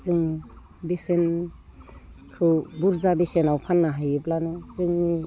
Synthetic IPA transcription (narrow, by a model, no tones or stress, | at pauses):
zɯŋ | besen | kʰɯbuɾzabesenawpʰanːaɦajɯblanɯzɯŋni